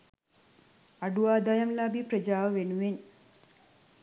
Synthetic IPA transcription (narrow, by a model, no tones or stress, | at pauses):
ɐɖuʋaːd̪ɐjɐmlabipɾɐd͡ʒaːʋɐʋenuʋen